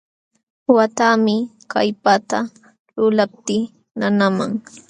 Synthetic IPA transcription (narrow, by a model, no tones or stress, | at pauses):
wat̪amɪ | kajpat̪a | lʊlap̚t̪ɪ | nanamaŋ